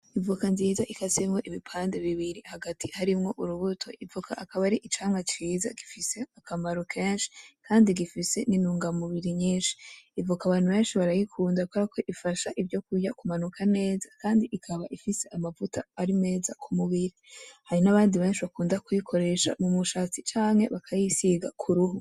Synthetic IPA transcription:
ivukanziːzaʔikasemŋo̞ʔiβipʰaːnde̞βiβiɾihaɡatihaɾimŋo̞ʔuɾuβutʰo̞̰ʔivukʰaʔakaβaɾiʔit͡ʃaːmŋat͡ʃiːza̰ɡifise̞akʰamaɾokʰe̞ːnʃi̥kʰaːndiɡifise̞ninuːŋɡamuβiɾiɲiːnʃi̥ivukaβaːnhuβe̞ːnʃiβaɾajikʰuːndakʰoɾakʰo̞ʔifaʃaʔivjo̞kujakumanukʰane̞ːzakʰaːndiʔikʰaβaʔifise̞ʔamavutʰaːɾine̞ːza̰kʰumuβiɾihaɾinaβaːndiβe̞ːnʃiβakuːndakujikʰo̞ɾe̞ʃa̰mumuʃat͡sit͡ʃaːŋhe̞̰βakʰajisiɡa̰kʰuɾuɦu

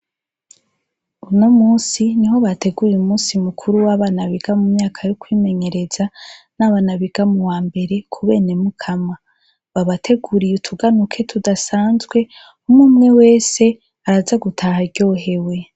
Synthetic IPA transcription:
uno̞muːsiniɦo̞βate̞ɡuɾjumuːsimukʰuɾuwaβanaβiɡ̥amumɲaːkʰajokwiːme̞ɲe̞ɾe̞z̥anaβanaβiɡ̥amuwaːmbe̞ɾe̞kʰuβe̞ːne̞mukʰama | βaβatʰe̞ɡuɾijutʰuɡanukʰe̞tʰudasaːnzɡwe̞ | umumŋe̞we̞ːse̞ | aɾazaɡutʰahaɟo̞ːɦe̞we̞

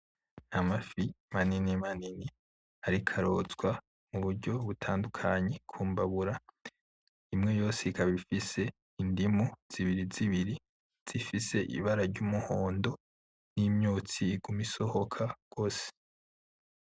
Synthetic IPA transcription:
amafi | maninimanini | aɾikʰaɾo̞ːt͡sɡwa | muβuɾɟo̞βutʰaːndukʰaɲe̞kʰuːmbaβuɾa | imŋe̞jo̞ːseikaβifise̞ | indimuz̥iβiɾiziβiɾi | z̥ifise̞ʔḭβaɾaɾɟuːmuhoːndo̞ | niːmɲoːt͡siɡumiso̞ho̞kʰaɡ̥o̞ːse̥

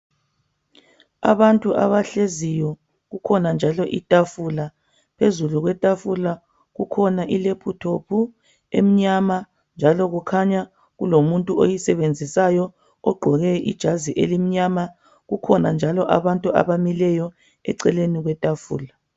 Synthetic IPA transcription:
a̰βantʼuʔaβaɬezijɔ | ɣukʰɔnand͡ʒʱalɔʔitʼafula | pʰezuluɣwɛtʼafula | ɣukʰɔnaʔilepʰutʰopʰu | ḛm̩ɲama | nd͡ʒʱalɔɣukʰaɲa | ɣulomuntʼuojisɛβend͡zʱisajɔ | ɔɡ͡ǃʱɔɣɛʔḭd̥ʒ̥ʱaziʔḛlim̩ɲama | ɣukʰɔnand͡ʒʱalɔʔa̰βantʼua̰βamilɛjɔ | ɛ̰ǀɛleniɣwɛtʼafṵːla

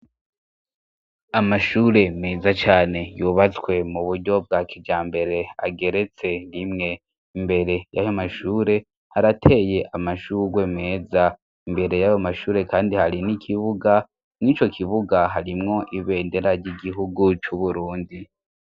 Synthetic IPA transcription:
amaʃuːɾe̞meːzat͡ʃaːne̞juβat͡swe̞muβuɾɟo̞b̚ɡaːkʰid͡ʒaːmbe̞ɾe̞a̰ɡe̞ɾe̞t͡se̞nimŋe̞ | imbe̞ɾe̞jajomaʃuːɾe̞ | haɾatʰe̞je̞ʔamaʃuɾwe̞meːza | imbe̞ɾe̞jajomaʃuːɾe̞kaːndihaɾinikʰiβuɡa | nit͡ʃo̞kʰiβuɡaɦaɾimŋo̞ʔiβe̞ːnde̞ɾaɾɟiɡiɦuɡut͡ʃuβuɾuːndi

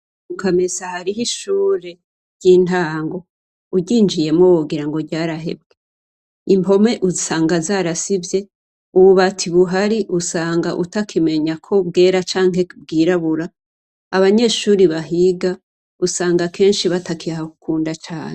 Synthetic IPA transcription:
mukamisahaɾiɦiʃuːɾe̞ | ɾjiːntaːŋɡo̞ | uɟiːnd͡ʒije̞mŋowoɡiɾaŋɡo̞ɟaːɾaɦe̞̰b̚ɡe | impʰo̞me̞ʔuzisaːŋɡazaːɾasibje̞ | uβuβatʰiβuɦaɾiʔusaːŋɡaʔutakʰime̞ɲakʰo̞b̚ɡe̞ːɾat͡ʃaːŋɦe̞b̚ɡiːɾaβuɾaː | βaɲe̞ʃuːɾiβaɦiɡa | usaːŋɡakʰe̞ːnʃiβatakiahaku̥kʰuːndat͡ʃaːn̥e

